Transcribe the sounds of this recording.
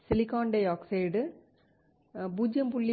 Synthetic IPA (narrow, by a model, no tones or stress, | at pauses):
sɪlɪkaːɳɖeːaːkseɪɖ | buːd͡ʒjɐmpʊɭːi